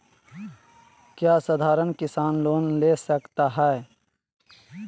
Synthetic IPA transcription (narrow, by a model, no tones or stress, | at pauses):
kjaːsad̪ʱaːɾənkɪsaːnloːnleːsəkt̪aɦɛe